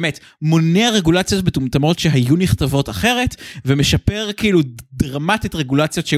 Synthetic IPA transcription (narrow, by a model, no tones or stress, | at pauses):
met | mo̞neaʁe̞ɡulat͡sjo̞t̚betumt̪amo̞tʃe̞ɦajuniχtavo̞taχe̞ʁe̞tvemeʃape̞ʁkiiludʁamatitʁeɡulat͡sjo̞tʃe